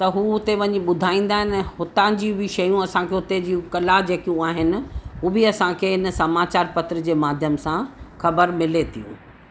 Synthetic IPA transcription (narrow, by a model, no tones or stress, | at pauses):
t̪ɐɦuɦʊt̪eʋɐɲiɓʊd̪ʱaːĩːn̆d̪aːɦɪnɛ̃ɦʊt̪ãd͡ʑiːbɪʃɐjũɐsãkʰeɦʊt̪ed͡ʑiːũkɐlad͡ʑeːkijũaːɦɪnɪ̆ɦuːbɪɐsãkʰeɦɪnə̆sɐmaːt͡ɕaːɾpɐt̪ɾəd͡ʑeːmaːd̪ʱjəmsãxɐbəɾmɪlet̪ʰijṵ̃